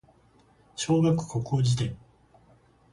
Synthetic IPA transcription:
ɕoːɡakɯ̥kʰokoːd͡ʑit̪ẽŋ

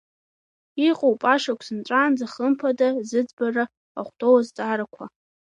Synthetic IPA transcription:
iqʼowpʼaʂakʷʰsɨnt͡ʃʷʼaːnd͡zaχəmpʰadazɨd͡zbara | a̰χʷtʰʼowazt͡sʼaɾakʷʰa

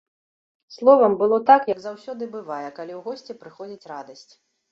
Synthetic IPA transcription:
slˠɔvɐmbɨlˠɔt̪akjɐɡzawsʲɔd̪ɨbɨvajɛkalʲiwɣɔsʲt͡sʲɛpɾɨxɔd͡zʲit͡sʲrad̪ɐsʲt͡sʲ

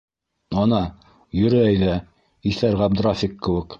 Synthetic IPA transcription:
ɑnɑ | jɵ̆ɾɘæjðæ | iθæɾʁɑbd̪ɾafʲikːɘ̆wɘ̆k

